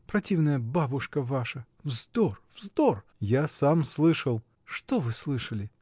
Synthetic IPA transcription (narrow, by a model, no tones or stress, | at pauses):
pɾɐtʲivnəjəbabʊʂkəvaʂə | vzd̪orvzd̪orjasamslˠɨʂəlˠ | ʂt̪ovɨslˠɨʂəlʲɪ